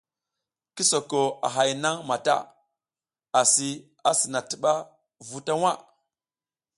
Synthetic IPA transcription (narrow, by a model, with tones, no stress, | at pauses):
ki˦so˨ko˨a̰˨ɦa˨jna˦ŋma˨ta̰˦˨ | a˨si˦ | a˨si˨na˨ti˨ɓa˦ | vu˦ta˦wa˦˨